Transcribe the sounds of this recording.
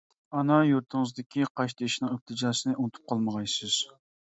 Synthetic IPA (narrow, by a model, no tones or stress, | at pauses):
ɑnɑjuɾt̪ʰɨŋɨzd̪ɪkʲʰiqʰɑʃt̪ɪʃnɨŋɪp̚t̪ʰɨd͡ʒɑːsɨnɨʔunt̪ʰu̥p̚qʰɑlˠməʁɑjsɨz̥